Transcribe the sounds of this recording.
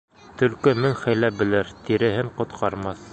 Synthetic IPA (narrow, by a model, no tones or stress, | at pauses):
t̪ɵ̆lkɘmɘŋχæjlæp̚bɘ̆lɘɾt̪iɾɘ̆ɦɘɴqŏt̪qʰɑɾmɑθ